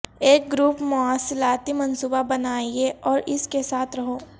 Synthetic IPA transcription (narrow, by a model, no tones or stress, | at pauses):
eːk̚ɡɾuːpmʊaːsɪlaːt̪imɐnsuːbabɐnaːieʔɔːɾɪskesaːt̪ʰɾɐɦoː